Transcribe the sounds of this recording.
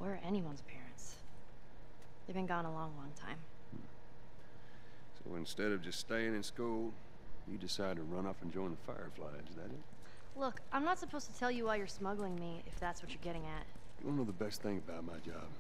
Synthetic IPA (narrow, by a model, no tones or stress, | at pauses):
wʔə˞ʔɛniwʌ̃nz̥pʰɛɹɨ̰̃nts | ðeɪvbɨ̃nɡɔ̃nəlɔ̃ŋlɔ̃ŋtʰã̰ɪ̃m̩ | soʊɨ̃nstɛɾʌvd͡ʒʌststeɪɪ̃ŋɨ̃nskulˠ | jɨdɨsaɪd̚tʰɨɹʌ̃nʌpn̩d͡ʒɔ̃ɪ̃nðəfaɪə̰˞fla̰ɪzðɨɾɪz̥̚ | lʊkãɪ̃mnətsəpʰoʊz̥tʰɨtʰɛlˠjɨwaɪjə˞smʌɡl̩ˠɪ̃ŋmi | ɪ̰fðætswʌt͡ʃə˞ɡɛɾɪ̃ŋɨt̚ | jɨʔõʊ̃noʊðəbɛsθɪ̃ŋɨbaʊt̚maɪd͡ʒɑ̰b̥